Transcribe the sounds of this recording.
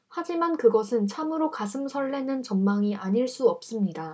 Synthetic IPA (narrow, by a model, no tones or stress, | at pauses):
had͡ʑimankɯɡʌsʰɯnt͡ɕʰamɯɾokasʰɯmsʰʌɭːe̞nɯnt͡ɕʌnmaŋiʔaɲiɭs͈uʌp̚s͈ɯmɲida